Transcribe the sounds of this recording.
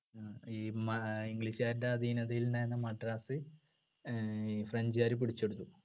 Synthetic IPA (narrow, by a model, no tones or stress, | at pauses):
iːmɐiŋɡɭiɕaːɾiɳdeɐd̪ʱiːnɐðɐjilnajenːɐmɐʈraːsɨ | frɐɲd͡ʑijaːɾup̬iɽit͡ɕːeɽut̪ːu